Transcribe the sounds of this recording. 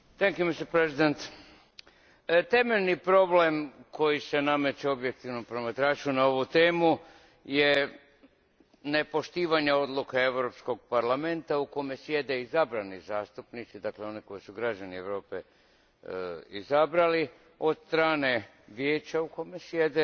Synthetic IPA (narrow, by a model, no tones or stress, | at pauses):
t̪ɛŋkjumist̪eɾpɾezid̪ent̪ | t̪e̞meʎʲnipɾo̞ble̞mko̞jise̞name̞t͡ʃeo̞bjek̚t̪iʋno̞mpɾo̞mat̪ɾaːt͡ʃunao̞ʋut̪e̞ːmu | je̞ | ne̞po̞ʃt̪iːʋaɲeo̞d̪lˠukee̞ʋɾo̞psko̞ɡ̚paɾlame̞nt̪auko̞me̞sje̞d̪e̞izabɾanizaːst̪upnit̪sid̪akle̞o̞niko̞jisuɡɾad͡ʑanieʋɾo̞ːpe̞̰ | izabɾali | o̞d̪st̪ɾaːne̞ | ʋjeːt͡ɕauko̞mesjed̪e